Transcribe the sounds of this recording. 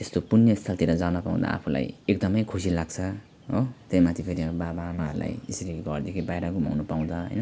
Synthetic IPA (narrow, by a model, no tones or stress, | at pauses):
t̪est̪opunjʌist̪ʰʌlt̪iɾʌd͡zanʌpaṵ̃d̪a̰a̰pʰula̰jek̚d̪ʌmʌjkʰusilaɡt͡sʰʌ | ɦot̪ejmat̪ʰipʰeɾiababamaɦʌɾula̰jḭsɾiɡʱʌrd̪ekʰibajɾakomʱʌ̰wnupaw̃d̪ʌɦʌ̰jnʌ